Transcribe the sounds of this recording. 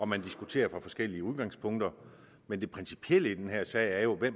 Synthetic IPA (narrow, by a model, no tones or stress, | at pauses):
ɒ̽mænd̥isɡ̥ut͡sʰe̝̰ːɐfʁɑ̈fɒ̽sɡ̥el̰iəuð̞ˠɡ̥ɑ̈ŋspʰɔ̽ŋ̰d̥ɐ | mend̥e̝pʰʁɛnsi̥pʰiel̰əid̥enɦæɐ̰sɛɪ̰æɐjo̝ʋem